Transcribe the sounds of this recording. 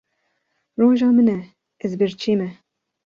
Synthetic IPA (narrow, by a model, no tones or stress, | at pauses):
roːʒɑːmɨnɛ | ɛzbɨɾt͡ʃʰeːmɛ